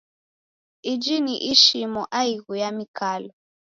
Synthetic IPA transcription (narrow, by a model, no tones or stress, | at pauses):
id͡ʒiniʔiʃimɔʔaiɣujamikalɔ